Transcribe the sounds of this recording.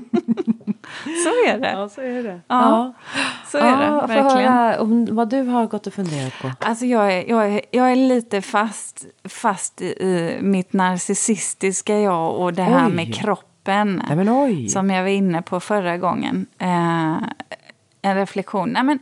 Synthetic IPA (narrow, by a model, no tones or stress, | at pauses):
sɔæɖɛ̰sɔæɖɛɑː | sɔæɖɛvæɾhlœːɪɾaɔmvad̪ɵɦaɾɡɔt̪ːɔfɵnd̪eːɾat̪pʰɔʔalsɔjɑːɡæɾjɑːɡæjɑːɡæɭiːt̪əfast̪fast̪ɪʔɪmɪt̪naɾsɪsɪst̪ɪskajɑːɡɔd̪ɛɦæːɾmɛkʰɾɔpːənmɛɔjsɔmjɑvaɾɪnːəpʰɔfœɾaɡɔŋːə̰n | ɛnɾɛflɛkɧuːnnɛmɛn